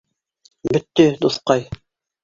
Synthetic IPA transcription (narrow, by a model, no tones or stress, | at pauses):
bɵ̆t̪ːɵd̪uθqɑj